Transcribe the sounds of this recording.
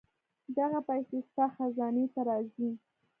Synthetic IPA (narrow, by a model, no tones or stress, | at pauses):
d̪aɣapajsest̪axazɑnet̪aɾɑzi